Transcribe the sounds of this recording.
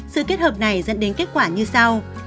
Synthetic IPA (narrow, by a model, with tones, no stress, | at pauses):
sɨ̰˧˨ke˦˥t̚həː˨˩p̚na˨˩jzə̰˧˥nɗe˨˦nke˦˥t̚kwaː˧˩ɲɨ˧sa˧w